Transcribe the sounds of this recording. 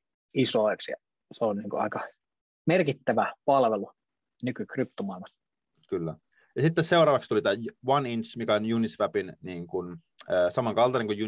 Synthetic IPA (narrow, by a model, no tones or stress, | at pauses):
isoˑeksjɑ̰ | seonniːŋkṵɑ̰ikɑ | merkit̪ːæʋæpɑlʋelu | nykykrip̚t̪omɑˑilmɑs | kylːæ̰ | jɑsit̪ːesseuwrɑːʋɑkst̪ulit̪æːʋɑninsmikæonjunisʋæpinniːŋkun | əːsɑmɑŋkɑlt̪ɑneŋkujju